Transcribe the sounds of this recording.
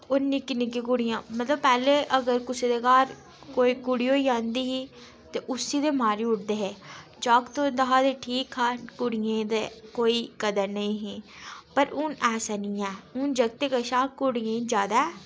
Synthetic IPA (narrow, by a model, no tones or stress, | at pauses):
ʊnnɪkːɪnik̬ik̬ʊɽɪjãːmət̪ləbpɛːleʔəɡəɾkʊsed̪ekaːɾ | koːikʊɽijoːiãːnd̪iːɦiː | t̪eʔʊsːiːd̪emaːɾiʊʈd̪eːɦɛːd͡ʒaːkt̪õd̪ɐɦaːd̪eʈʰiːkaːkʊɽijẽd̪ekoːikəd̪əɾnɐĩɦĩːpəɾʊːnɛːsanĩɛːʊnd͡ʒəɡ̚t̪ekəʃaːkʊɽijẽd͡ʒjaːd̪aɛː